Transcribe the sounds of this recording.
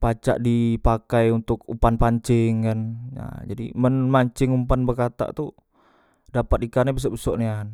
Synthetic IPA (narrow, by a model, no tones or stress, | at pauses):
pat͡ʃa̰ʔdipakajunt̪ʊkṵpanpaɲt͡ʃɪŋkanja̰d͡ʒadḭmənmaɲt͡ʃɪŋumpanbərkat̪a̰ʔt̪u | dapat̪̚ikarnabis̬ɔʔbisɔʔnian